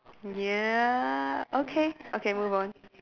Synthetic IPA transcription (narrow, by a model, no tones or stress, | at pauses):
jæ | ʔokʰeʔokʰemuvɔn